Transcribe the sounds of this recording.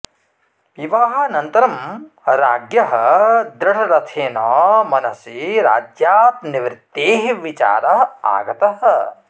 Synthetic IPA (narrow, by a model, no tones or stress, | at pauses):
iʋaːɦɐnɐnt̪ɐɾɐm | ɾaːɡjɐɦɐd̪ɾɐʈɐɾɐt̪ʰeːnɔːmɐnɐsiɾa̰ːd͡ʒjaːt̪niʋɾɪt̪ːeːɦʋit͡ʃa̰ːɾɐɦɐa̰ːɡɐt̪ɐɦɐ̆